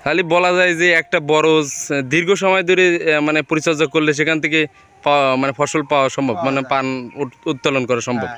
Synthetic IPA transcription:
ɦalibɔlad͡ʑajd͡ʑeɛk̚ʈabɔɾod͡ʑd̪iɾɡoʃɔmɔed̪ʱoɾemanepoɾit͡ɕad͡ʑakoɾleʃ̬ekʰant̪ʰeke | pamanepfʰɔʃolpaoaʃɔmbʱabmanepanut̪̚palonkɔɾaʃɔmbʱab

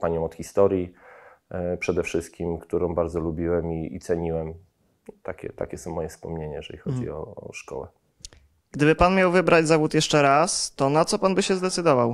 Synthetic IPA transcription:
paɲɔ̃w̃ɔt̪xʲist̪ɔɾji | pʂɛd̪ɛfʂɘst̪̚kʲimkt̪uɾɔ̃w̃baɾd̪zɔlubʲiwɛmiḭt̪sɛɲiwɛm | t̪akʲɛ̰t̪a̰kʲɛsɔ̃w̃mɔjɛfspɔmɲeɲajɛʐɛ̰lixɔd͡ʑḭɔ̰ːʂkɔ̰wɛ̰ | ɡ̥d̪ɘbɘpanmʲjawvɘbɾad͡ʑzavut̪jɛʂt͡ʂɛɾast̪ɔnat̪sɔpanbɘɕɛzd̪ɛt̪sɘd̪ɔvaw

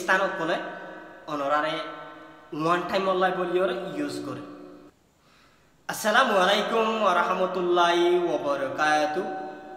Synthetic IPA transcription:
st̪ʰanɔt̪̚kɔlɛ | ɔnɔɾaɾɛ | wanʈajmɔlːajbolijɔɾjuzkɔɾi | asalamualajkumwaɾahmɔt̪ulːaɦiwɔbɔɾɔkajt̪u

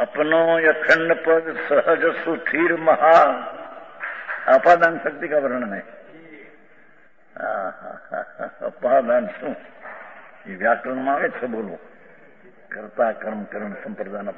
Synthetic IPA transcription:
ɐpnõːjɐkʰɐɳːɐpɐɡsɐɦəd͡ʒɐsut̪ʰiːɾmɐɦa | apaːd̪aːnʃɐk̚t̪ikaːbɐɾɐɳɐnẽ | a̰a̰ | ɐ̰paːd̪aːnsũ | iːʋjaːkɐlnmaːʋet͡sʰɐboːluː | kɾt̪aːkɐɾmkɐɾɐɳsɐ̃mpɾɐd̪aːnɐp

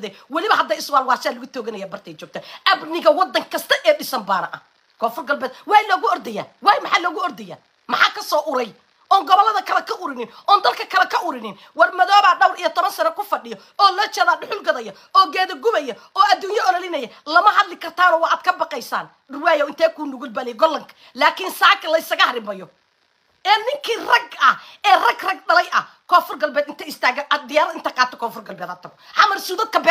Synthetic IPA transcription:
ðɛwɑlɪβɐɦɐd̪ːɐɪswaːlwɑːsɛːlʊɣʊt̪ʰɔːɣɐnɛjaːbɐrt̪ʰɛːj̪t͡ʃɔːɡ̚kt̪ʰɐʔɐbnɪɣɐwɑd̪ːɐŋkʰɐst̪ʰɐʔɛːɖɪsɐmbaːnɐʔɐ | kʰɔːfʊrɡɐlbɛːd̪̚wɑːjlɔːɣʊɔrd̪ɛja̰ːwɑːjmɑħaːlɔːɣʊɔrd̪ɛja̰ː | mɑħɑːkʰɐsɔːʔʊɾɛj | ʔɔːŋɡɔβɐlːɐðɐkʰɐlɐkʰɐʊɾɪnɪnʔɔːnd̪ɐlkʰɐkʰɐlɐkʰɐʔʊɾɪnɪn | wɐrmɐðɔːβaːɖɐwɾijɔt̪ʰɔβɐnsɐnɐkʊfɐɖɪjɔ | ɔːlɔːt͡ʃɛðaːɖʊħʊlɡɐðɐjɐ | ɔːɡɛːðɐɡʊβɛjɐ | ɔːʔɐd̪uːjɐʔɔɾɔlɪnɐjɛlɐmɐhɐd̪lɪkʰɐrt̪ʰaːnɔːwɑʔaːd̪̚kʰɐbɑqɛjsa̰ːn | ʊrwaːjɔwɪnt̪ʰɛːkʰuːnʊɣʊlbɐlɪjɡɔlːɐŋkʰɐ̥ | laːkʰɪnsaːkʰɐlɐɪsɐɣɐhɐɾɪmɐjɔ | ʔɛːnɪŋkʰiːrɐɡɐhɛːrɐɡrɐɡ̚ɖɐlɐjʔɐ | kʰɔːfʊrɡɐlbɛːd̪ɪnt̪ʰɐɪst̪ʰaːɣɐʔɐd̪ɪjaːɾɐðɪnt̪ʰɐqɑːt̪ʰɔkʰɔːfʊrɡɐlbɛːd̪hɐt̪ʰɐɣɔʕɑmɐrsuːðɐd̪̚kʰɐbɛ

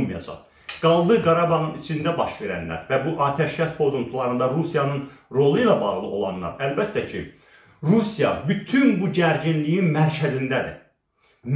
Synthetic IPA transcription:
mijɑ̰d͡ʒɑ̰χ | ɡ̥ɑlˠd̪ɯɡɑɾɑbɑʁɯnit͡ʃʰind̪æbɑʃve̞ɾæ̰nlæ̰ɾvæbuʔɑːt̪ʰæʃcʰæspʰo̞zunt̪ʰulˠɑɾɯnd̪ɑɾusijɑnɯnɾo̞lˠɯjlˠɑbɑːʁlˠɯʔo̞lˠɑ̰nːɑ̰ɾælbæt̪ʰːæcʰi | ɾusijɑ̰byt̪ʰynbuɟæɾɟinlijinmæɾcʰæzind̪æd̪ḭ | n

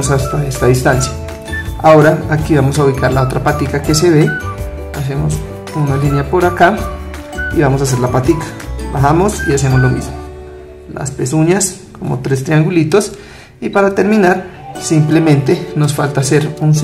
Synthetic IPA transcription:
osast̪aest̪aðist̪ansjḁ | a̰oɾaːkiβamos̬auβikaɾlaot̪ɾapat̪ikake̞se̞βe | as̬emos | unalinjapoɾaka | iβamosas̬eɾlapat̪ikḁbaxamosḭasemozlomḭzmo | la̰spesuɲaskomo̰t̪ɾes̬t̪ɾiaŋɡulit̪os | ipaɾat̪e̞ɾmĩnaɾ | simplemẽnt̪enosfalt̪aseɾuns

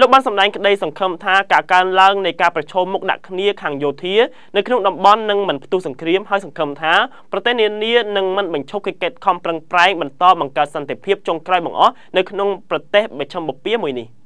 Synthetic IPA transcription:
loːk̚ɓaːnsɑmɗaɛŋkə̆ɗəjsɑŋkʰəmt̪ʰaːkaːkaənlaəŋnɨjkaːprɑt͡ɕʰɔːmːuk̚ɗa̰ʔkʰniəkʰaːŋjoːt̪ʰiə | nɨwkʰnoŋɗɑmɓɑnːɨŋmɨnpʰt̪uhsɑŋkriəmɦaəjsɑŋkʰəmt̪ʰaː | prɑt̪eːhniəniənɨŋmɨnɓɑɲt͡ɕʰup̚kekeːt̪̚kʰɑmprəŋpraɛŋɓɑnt̪ɑːɓɑŋkaət̪̚sɑnt̪epʰiəp̚t͡ɕoŋkraɔjɓɑ̰ŋʔɑh | nɨwkʰnoŋprɑt̪eːhɓɑt͡ɕʰəmɓɑpiəmuəjnih

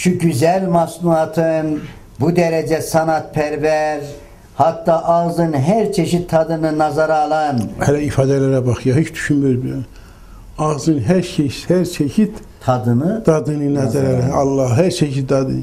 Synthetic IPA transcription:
ʃuɟyzælʲmasnuat̪ʰɯn | bud̪ɛɾɛd͡ʒɛsanat̪̚pʰɛɾvɛɾ | hat̪ːaːʔaɣzɯnɦæɾt͡ʃʰeʃit̪ʰːad̪ɯnɯnazaɾaːlˠanhɛlɛifɑːd̪ɛlæɾæbɑxɯjaɦet͡ʃd̪y̥ʃynmyɾbi | ɑɣzɯnɦæɾʃʰeʃhæɾt͡ʃʰeçʰit̪ | t̪ʰad̪ɯnɯd̪̥ɑd̪ɯnɯnazaɾaɾɑlˠːɑhɦæɾt͡ʃʰeçid̪ɑd̪ɯ̰

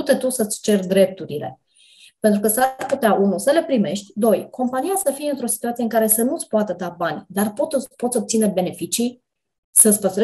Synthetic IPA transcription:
ut̪e̞t̪usət̪sʲt͡ʃe̞rd̪ɾe̞p̚t̪uɾile̞̰ | pe̞nt̪ɾukəsaput̪eaʔunusəle̞pɾime̞ʃt̪ʲd̪o̞jko̞mpanijasəfijeɨnt̪ɾo̞si̥t̪uat̪sijeɨŋkaɾe̞sənut̪sʲpoat̪əd̪abanʲd̪arpo̞t̪opot̪sʲo̞p̚t̪sinəbe̞ne̞fit͡ʃi | sət̪sʲpəst̪ɾe

